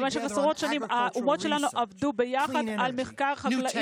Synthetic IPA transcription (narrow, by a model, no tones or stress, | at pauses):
vanʃebasʁo̞t̪ʃanimaʔumo̞tʃe̞lanuʔavd̪ube̞jaχadalmeχkaʁχaɡlaʔ